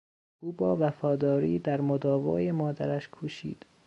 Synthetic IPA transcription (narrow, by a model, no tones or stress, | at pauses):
ʔuːbɒːvæfɒːd̪ɒːɾḭːd̪æɾmod̪ɒːvɒ̰ːjemɒːd̪æ̰ɾæʃkʰuːʃḭːd̪̥